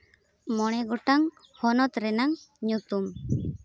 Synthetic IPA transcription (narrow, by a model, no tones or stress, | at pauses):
mɔɽ̃ɛɡɔʈaŋ | hɔnɔt̪ɾɛnaŋɲut̪um